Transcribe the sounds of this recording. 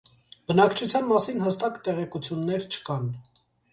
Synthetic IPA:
bənɑkt͡ʃʰut͡sʰjɑnmɑsinhəst̪ɑkt̪ɛʁɛkut͡sʰjunːɛɾt͡ʃʰə̥kɑn

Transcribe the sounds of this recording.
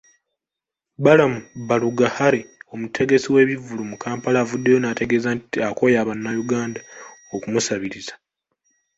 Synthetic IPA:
balamubaluɡahaɾe̞o̞mutʰe̞ɡe̞siwe̞ːβivulumukʰaːmpalaːvudːe̞jo̞naːte̞ɡe̞zantiako̞jaːβanːajuɡaːndaokumusaβiɾizḁ

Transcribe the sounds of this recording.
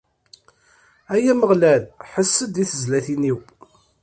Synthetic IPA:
æjæməʁlælħəsːəd̪iθəzlæθiniw

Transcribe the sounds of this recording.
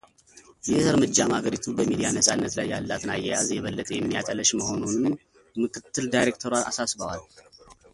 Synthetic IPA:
jɛəɾmɨd͡ʒːamaɡəɾit̪ʰubəmid̪ijanəsʼanːət̪lajːalːat̪najːɛja̰zjɛβəlːət̪ʼjɛmːijat̪ʼələʃməho̞nunɨm | mɨkʰɨt̪ʰːɨld̪ajɾek̚t̪ʰəɾaa̰sasbəwal

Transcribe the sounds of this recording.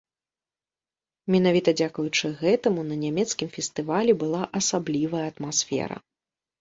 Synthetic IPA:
mʲɛnavʲit̪ɐd͡zʲakujut͡ʂɨɣɛt̪ɐmunɐnʲamʲɛt̪skʲimfʲɛst̪ɨvalʲɛbɨlˠaʔɐsablʲivɐjɐɐt̪masfʲɛ̰ɾɐ̰

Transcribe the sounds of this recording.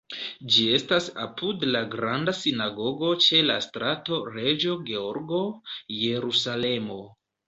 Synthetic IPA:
d͡ʒie̞stasa̰pʰudlaɡɾandasinaɡo̞ɡo̞t͡ʃe̞la̰stɾato̞ɾe̞d͡ʒo̞ɡe̞o̞ɾɡo̞je̞ɾusale̞mo̞

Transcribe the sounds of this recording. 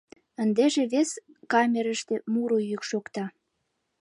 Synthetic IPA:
ə̆nd̪eʒeβeskɑmʲeɾəʃt̪emuɾojykʃokt̪ɑ

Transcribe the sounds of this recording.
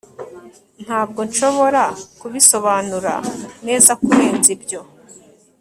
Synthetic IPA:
n̥aːb̚ɡo̞nʃo̞βo̞ɾakuβiso̞βaːnuɾa̰ne̞ːzakuɾe̞ːnzibɟo̞

